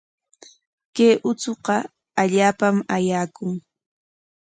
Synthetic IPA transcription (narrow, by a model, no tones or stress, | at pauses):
keːʔʊt͡soqɑ | aʎaːpamajaːkʊŋ